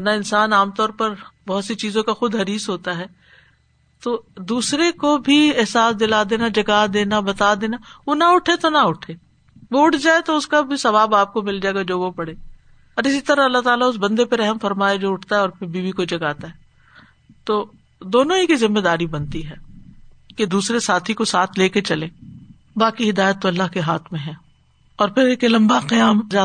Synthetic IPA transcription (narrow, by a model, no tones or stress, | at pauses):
naɪnsaːnaːmt̪ɔːɾpɐɾbɐɦʊt̪sit͡ʃiːzõkaxʊd̪ɦɐɾiːsɦoːt̪aɦɛː | t̪oːd̪uːsɾekobʱiɪɦsaːsd̪ɪlad̪eːnad͡ʒɐɡad̪eːnabɐt̪ad̪eːnaʋonaʊʈʰet̪onɐʊʈʰeː | ʋoʊʈʰd͡ʒaːet̪oʊskabʱisɐʋaːbaːp̚komɪld͡ʒaːeːɡad͡ʒoːʋopɐɽeː | ɔːɾɪsit̪ɐɾaɐlːaɦt̪aːlaʊs̬bɐ̃nd̪epeɾɛɦəmfɐɾmaːed͡ʒoːʊʈʰt̪aɦɛɔːɾpʰɪɾbiːbikod͡ʒɐɡaːt̪aɦɛː | t̪oː | d̪oːnõɦikizɪmːed̪aːɾibɐ̃nt̪iɦɛː | ked̪uːsɾesaːt̪ʰikosaːt̪ʰleːket͡ʃɐlẽː | baːkiɦɪd̪aːjət̪ːoɐlːaɦkeɦaːt̪ʰmẽɦɛ̃ː | ɔːɾpʰɪɾekelɐ̃mbaqijaːmd͡ʒaː